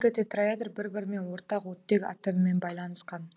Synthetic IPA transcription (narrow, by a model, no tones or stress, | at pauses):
ɡʲɪt̪ʰet̪ravʲed̪ərbɪɾbɪɾɪme̞nwo̞ɾt̪ɑqwɵt̪ːeɡʲɑ̰t̪əməme̞nbɑjlˠɑnəsqɑn